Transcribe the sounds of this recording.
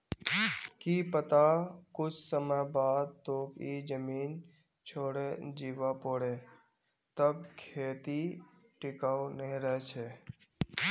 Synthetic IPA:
kiːpət̪akʊt͡ʃʰsəməjbaːd̪̚t̪oːkid͡ʒəmiːn | t͡ʃʰoːɽed͡ʒiːʋapoːɽeː | t̪əb̚kʰeːt̪i | ʈɪkawnəɦĩɾəɦt͡ʃʰeː

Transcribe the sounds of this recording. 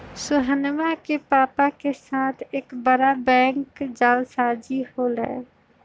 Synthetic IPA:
sʊɦənmakepaːpakesaːt̪ʰeːkbəɾabɛ̃ːŋkd͡ʒaːlsaːd͡ʒiholə̰e

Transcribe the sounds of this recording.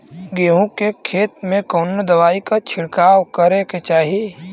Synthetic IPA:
ɡeːɦũkekʰeːt̪̚mẽkoːnod̪əʋaːikat͡ʃʰɪɽkaːwkəɾeket͡ʃaːɦii

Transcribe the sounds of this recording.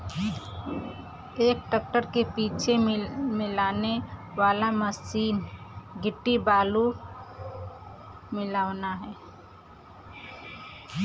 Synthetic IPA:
eːk̚ʈək̚ʈəɾkepiːt͡ʃʰemɪlaːneʋaːlaməsiːnɡɪʈːibaːlu | mɪlaːʋnaɦɛː

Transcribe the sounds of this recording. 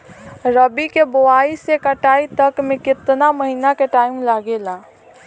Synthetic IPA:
ɾəbikeboaːisekəʈaːit̪əkmẽkɪt̪naməɦiːnakeʈaːɪmlaɡelaː

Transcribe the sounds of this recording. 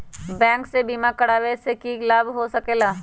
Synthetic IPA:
bɛ̃ːŋksebiːmakəɽaːwesekilaːbɦosɐkeːlaː

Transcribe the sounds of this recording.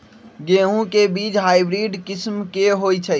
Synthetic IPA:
ɡeɦũkebiːt͡ʃɦaːibɾiːɖkɪsmkeɦojt͡ʃʰə

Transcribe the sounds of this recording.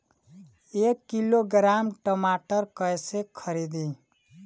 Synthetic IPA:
ekːiloɡɾamʈəmaʈəɾkəjsekʰəɾid̪i

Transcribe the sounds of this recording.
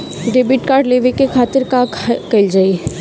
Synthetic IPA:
ɖeːbɪʈkaːɾɖleːʋekekʰaːt̪əɾkakɐɪld͡ʒaːi

